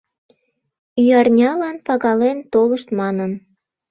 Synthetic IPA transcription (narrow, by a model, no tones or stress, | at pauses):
yɑrnʲɑlɑnpɑɣɑlent̪oləʃt̪mɑnən